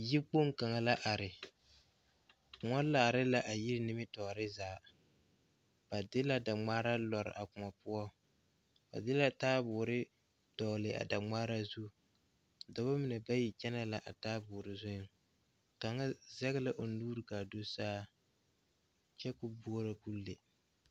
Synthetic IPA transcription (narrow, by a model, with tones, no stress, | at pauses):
ji˦k͡po˦ŋka˨ŋa˦la˦ʔa˨ɾɪ˨ | ŋɔ˦laː˨ɾɪ˦la˨ʔa˨ji˦ɾɪ˦nɪ˦mɪ˦tɔː˨ɾɪ˦zaː˨ | b̥a˨dɪ˦la˦da˨ŋ͡maː˦ɾa˦lɔ˨ɾɪ̰˨ʔa˨kʊ˨ŋa˨pʊ˦ɔ˦ | b̥a̰˨dɪ˦la˦taː˦bʊː˨ɾɪ˦ | dɔ˨lɪ˨ʔa̰˨da˨ŋ͡maː˦ɾa˦zu˦ | da˨ba˦mɪ˨nɛ˨ba˦ji˨t͡ʃɛ˦na˦la˨ʔa˨taː˦bʊː˨ɾɪ˦zʊ˦jʊ˦ŋ | ka˨ŋa˦zɛ˦ɣla˦ʔo˨n˦duː˦ɾɨ˨ka˨do˦saː˦ | t͡ʃɛ˦kʊ˨bu˦ɔ˦ɾa˨ku˦lːe˨